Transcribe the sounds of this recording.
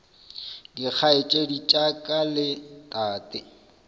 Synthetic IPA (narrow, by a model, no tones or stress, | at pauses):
dik͡xʰaet͡ʃʼedit͡ʃʼakʼalɪtʼaːtʼɪ